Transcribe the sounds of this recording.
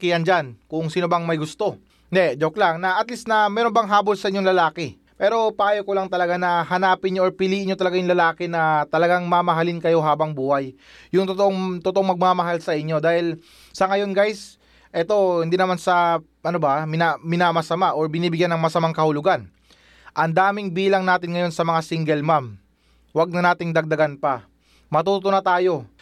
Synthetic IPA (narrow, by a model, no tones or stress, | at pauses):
kijɐnd͡ʒankʊŋsinobɐŋmɐjɡʊst̪o̞ | d̪ɛd͡ʒoklaŋnɐʔɐt̪lisnɐmɛːɾo̞nbɐŋɦaːbolsɐʔɪɲːo̞ŋlɐlaːkɛ | pɛːɾo̞pɐʔaːjokolɐŋt̪ɐlɐɡanɐhɐnaːpɪnɲoʔoɹpɪliːʔɪnɲːjot̪ɐlɐɡajʊŋlɐlaːkɛnɐt̪ɐlɐɡaŋmɐmɐɦalɪnkɐjo̞ɦaːbɐŋbuːhɐjː | ʊŋt̪ot̪oʔoŋt̪ot̪oʔoŋmɐɡ̚mamɐɦalsɐʔɪɲːo̞d̪aːhɪl | sɐŋɐjo̞nɡajs | ʔɛt̪o̞hɪnd̪inɐmansɐ | ʔɐnobɐmɪnamɪnamɐsɐmaʔoɹbɪniːbɪɡjanːɐŋmɐsɐmaŋkɐhʊlʊɡan | ʔɐnd̪aːmɪŋbiːlɐŋnaːt̪ɪnŋɐjo̞nsɐmɐŋasiŋɡɛlmam | wɐɡ̚nɐnaːt̪ɪŋd̪ɐɡ̚d̪ɐɡanpɐ | mɐt̪uːt̪onɐt̪aːjo̞